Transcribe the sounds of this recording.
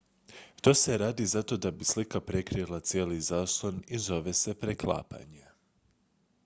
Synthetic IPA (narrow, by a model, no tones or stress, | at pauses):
t̪oːse̞ɾaːd̪izat̪o̞d̪abislikapɾe̞kɾilˠat̪sjeːlizaːslˠonizo̞ʋe̞se̞pɾeklˠa̰ːpa̰ɲe